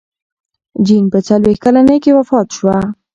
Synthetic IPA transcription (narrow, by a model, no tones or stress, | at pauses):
d͡ʒinpət͡salwext̪̚kalanəjkewafɑt̪ʃwa